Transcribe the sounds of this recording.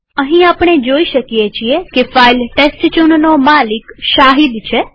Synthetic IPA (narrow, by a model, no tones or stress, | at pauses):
əɦĩapɳ̃ed͡ʒoiʃəkjet͡ʃʰiekefailʈesʈt͡ʃunnomalikʃaɦid̪t͡ʃʰe